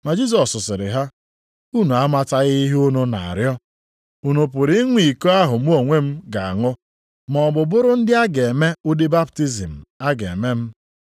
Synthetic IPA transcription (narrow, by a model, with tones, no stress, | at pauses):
ma˨d͡ʒi˦z̬ɔ˨sʊ˨sɪ˨ɾɪ̰˨ɦa˦ | u˦nu˨a˦ma˦ta˦ɣɪ˦ɦʊ˦nʊ˦na˨a̰˨ɾjɔ˦ | u˨nu˨p̬ʊ˨ɾi˦ŋʷi˨ko˦a˦ɦʊ˨m̩˦o˨ŋʷe˦m̩˦ɡa˨a̰˨ŋʊ˦ | mɔ˨ɔ˨bʊ˨bʊ˦ɾʊ˦n̩˦dɪ˦a˦ɡe˨me˦ʊ˦dɪ˦ba˦pti˦zi˨m̩˨a˦ɡḛ˨me˦m̩˦